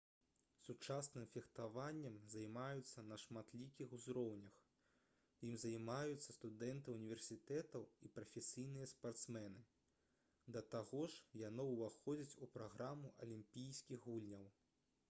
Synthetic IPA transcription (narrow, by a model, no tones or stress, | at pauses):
sut͡ʂasnɨmfʲixt̪avanʲːɛmzajmajut̪sːɐnɐʂmat̪lʲikʲixuzɾɔwnʲɐx | jimzɐjmajut̪sːɐst̪ud̪ɛnt̪ɨunʲivʲɛrsʲit̪ɛt̪ɐwipɾɐfʲɛsʲijnɨjɐspart̪smɛnɨ | d̪ɐt̪aɣɔʂjanɔwvaxɔd͡zʲɐt͡sʲupɾaɣɾamuʔɐ̰lʲimʲpʲijsʲkʲixɣulʲnʲɐw